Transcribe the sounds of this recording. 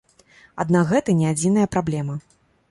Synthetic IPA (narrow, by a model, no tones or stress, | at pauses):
a̰d̪nakɣɛt̪ɐnʲɛad͡zʲinɐjɐpɾablʲɛmɐ